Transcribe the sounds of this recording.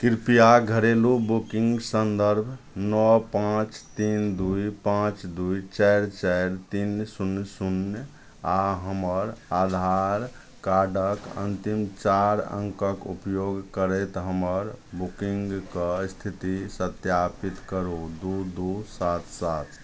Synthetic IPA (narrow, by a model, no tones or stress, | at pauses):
kɾpijaɡʱəɾelubukĩŋɡsənd̪əɾbʱ | nɔpãt͡ʃt̪ind̪uipãt͡ʃd̪uit͡ʃɛɪɾt͡ʃɛɪɾt̪insunsun | aɦəməɾad̪ʱaɾ | kaɖəkə̰̃nt̪imt͡ʃaɾə̰̃ŋkəkṵpjoɡkəɾɛt̪ɦəməɾbukĩŋɡkəst̪ʰit̪isət̪japit̪kəɾod̪ud̪usat̪sat̪ʰ